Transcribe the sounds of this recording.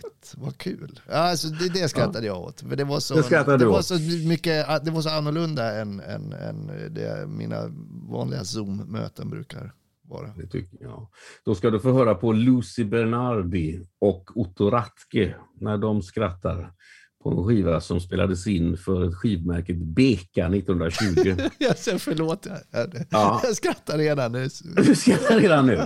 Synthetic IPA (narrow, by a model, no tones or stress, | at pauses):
t̪vakʰʉ̟ːlaasɔd̪ɛd̪ɛaskɾaːad̪əjavo̰ːt̪fəɖɛvasɔɛskɾat̪ːad̪ɛasɔmʏkːəad̪ɛvaʂ̬ɔanːʊɭɵnd̪aɛnɛ̰nɛ̰nd̪ɛ̰mḭːna̰vɑ̰ːnlɪɡasummø̰ːt̪ənbɾʉ̟̰ːkaɾ | vɑ̰ːɾad̪ɛt̪ː | d̪̥ɔskad̪ɵfoːɦœːɾapʰɔlʉːsɪbɛɳaɾdɪɔkʊt̪ʊɾat̪kənæɖɔmskɾat̪ːa̰ɾ | pʰɔɛnɧiːvaɾasɔmspeːla̰d̪əsɪnːfœɾɛt̪ɧiːvmæɾkət̪beːkanɪt̪ːnhɵnd̪ɾaɕʉ̟ːɡɪjɑsɛfəɭoːt̪aæɖɛɑːjɑskɾat̪ːaɾeːd̪anːʉhɵsat̪ːɾeːd̪anːʉ̟ː